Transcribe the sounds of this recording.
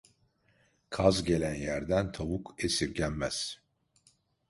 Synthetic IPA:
kʰazɟe̞lʲænjæɾd̪ænt̪ʰaβukʰesiɾɟænmæz̥

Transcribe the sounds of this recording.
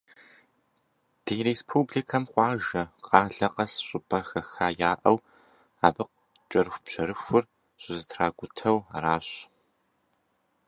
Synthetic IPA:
d̥iːɾeːspʰubɮikʰɐmqʷɑːʒɐqɑːɮɐqɐsɕʼʊpʰʼɐxɐxaːjaːʔɐw | aːbɨq̚ | t͡ʃʼɐrɨxʷpɕɐɾɨxʷʊr | ɕʼʊzɨtʰraːɡʷʊtʰɐwaɾaːɕ

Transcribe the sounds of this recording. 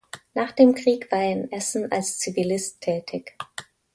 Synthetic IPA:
naːχd̥eːmkʁ̥iːkv̥aːɐɛnʔɛsn̩a̰lst͡sivilɪstʰːɛːtʰɪç

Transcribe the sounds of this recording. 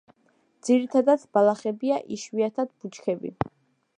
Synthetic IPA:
d̪z̥iɾit̪ʰad̪at̪sʰb̥alˠaχɛbiaʔiʃwiat̪ʰad̪̚but͡ʃʰkʰɛbḭ

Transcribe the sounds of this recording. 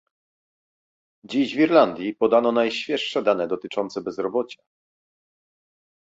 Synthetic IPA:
d͡ʑiʑvʲiɾland̪ʲjipɔd̪anɔnajɕfʲjɛʂʂɛd̪anɛd̪ɔt̪ɘt͡ʂɔnt̪sɛbɛzɾɔbɔt͡ɕa

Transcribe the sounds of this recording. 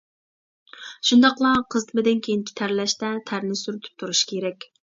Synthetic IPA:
ʃund̪ɑqlˠɑqʰəzt̪ʰɪmɪd̪ɪnkʲʰejint͡ʃʰi̥t̪ʰæɾlɛʃt̪ɛt̪ʰæɾnɪsyɾyt̪ʰy̥p̚t̪ʰuɾuʃkʲʰeɾɛkʲ

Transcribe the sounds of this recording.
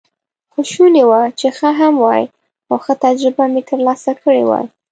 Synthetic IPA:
xʊʃunewat͡ʃexəɦamwɑj | xawxət̪ad͡ʒɾɪbamet̪əɾlɑsakəɽḛwa̰

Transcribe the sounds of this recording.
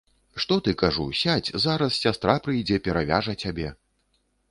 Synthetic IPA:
ʂt̪ɔt̪ɨkaʐṵsʲat͡sʲzaɾɐssʲast̪ɾapɾɨjd͡zʲɛpʲɛɾavʲa̰ʐɐt͡sʲabʲɛ

